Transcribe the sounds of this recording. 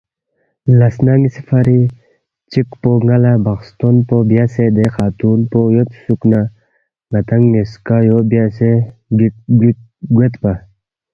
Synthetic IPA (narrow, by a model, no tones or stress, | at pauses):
lɐsnaŋisifɐɾi | t͡ɕikpoŋɐlabɐxst̪onpobjased̪exaːt̪unpojot̪sukna | ŋɐt̪ɐŋɡːiskajobjaseɡ | ɡwet̪pa